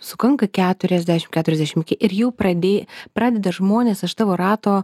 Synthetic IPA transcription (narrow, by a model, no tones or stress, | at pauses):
sʊkɐŋkɐkʲæːt̪ʊɾʲɛzʲd̪ʲæʃʲɪmkʲæːt̪ʊɾʲɛzʲd̪ʲæɛʃʲɪmɪkʲɪʔɪɾjɛʊpɾɐd̪ʲeːpɾɑːd̪ʲɛd̪ɐʒmoːnʲeːsɐʃt̪ɑːʋoːɾɑːt̪oː